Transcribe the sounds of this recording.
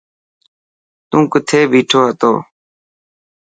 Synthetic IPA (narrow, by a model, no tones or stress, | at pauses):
t̪ũːkət̪ʰeːbʱiːʈʰoːɦət̪o̰ː